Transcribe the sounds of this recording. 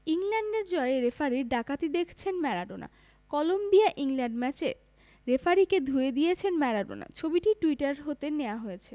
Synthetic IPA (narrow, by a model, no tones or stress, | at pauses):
iŋlɛɳɖeɾd͡ʑɔeeɾefaɾiɾɖakat̪id̪ekʰt͡ɕʰenmɛɾaɖona̰ | kɔlombiaʔiŋlɛɳɖmɛt͡ɕe | ɾefaɾiked̪ʱued̪ijet͡ɕʰenmɛɾaɖo̰na̰t͡ɕʰobiʈiʈuiʈaɾɦot̪eneoaɦojet͡ɕʰe